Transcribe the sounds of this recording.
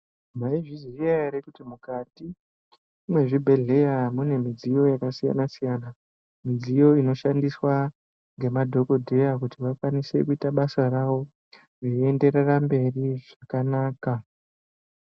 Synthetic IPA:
maiʐiziiaeɾekutimukatiː | mwe̞ʐibʱe̞ɮe̞jamune̞mid͡zijo̞jakasija̰nasijana | mid͡zijo̞ino̞ʃandiswa | ŋɡe̞madʱo̞ko̞dʱe̞jakutiʋakwanise̞̰kuitaɓasaraʋo̞ | reie̞nde̞rerambe̞riʐakanaːka

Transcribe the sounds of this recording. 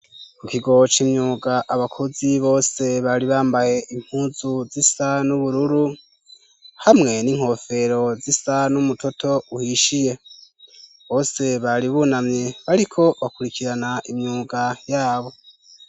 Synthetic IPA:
kukiɡo̞t͡ʃimɲuːɡaʔaβakʰoziβo̞ːse̞βaɾiβaːmbahe̞ʔim̥huːzuzisanuβuɾuɾu | hamŋe̞niŋ̥ho̞fe̞ɾo̞zisanumutʰo̞tʰo̞uhiʃije̞ | βo̞ːse̞βaɾiβunamɲe̞βaɾikʰo̞βakuɾikiɾanaʔimɲuːɡajaːβo̞

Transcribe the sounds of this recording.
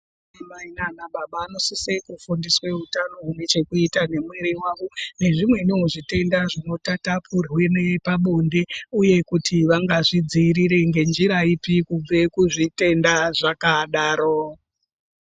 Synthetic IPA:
amainanaɓaɓaːno̞sisekufundiswe̞utanoɦune̞t͡ʃe̞kuitane̞mweɾiwaʋone̞ʐimwe̞nioʐite̞ndaʐino̞tatapʰurwenepaɓonde̞uje̞kutʰiʋaŋɡaʐid͡ziːɾiɾe̞ŋɡe̞nd͡ʒiɾaipikub͡vekuʐite̞ndaʐakaɗaːɾo

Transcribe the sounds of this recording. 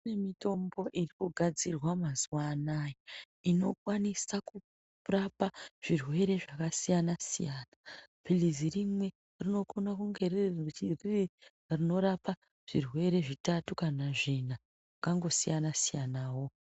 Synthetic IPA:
nemito̞mbo̞ʔirikuɡʱad͡zirwamazwanaːji | ino̞kwanisaku | rapaʐ̥irwe̞ɾe̞ʐakasijanasijaːnapilizirimwe̞ | rino̞konakuŋɡe̞rri | rino̞ɾapa | ʐ̥irwe̞ɾe̞ʐitatukanaʐina | ʐakaŋɡo̞sijanasijanaːwo̞

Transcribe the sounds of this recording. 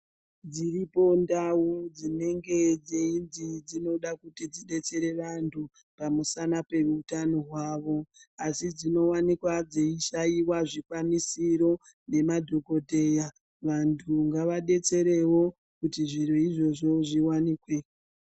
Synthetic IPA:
d͡ziripo̞ndawud͡zine̞ŋɡe̞d͡zeindid͡zino̞ɗakutid͡ziɗe̞t͡se̞ɾe̞ʋantʰu | pamusanape̞ʋuutanoɦwaːʋo̞asid͡zino̞wanikwad͡zeiʃaiwaʐikwanisiɾo̞ | ne̞madʱo̞ko̞dʱe̞ja | ʋantʰuŋɡaʋaɗe̞t͡se̞ɾe̞wo̞ | kutiʐiɾoiʐo̞ʐo̞ʐiwaniːkwe̞

